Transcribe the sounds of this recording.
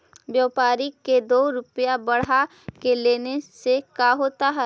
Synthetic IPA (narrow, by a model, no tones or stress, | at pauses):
bjəʋpaːɾiked̪oːɾʊpjabɐɽ̤a | keleːnesekaɦoːt̪aɦɛː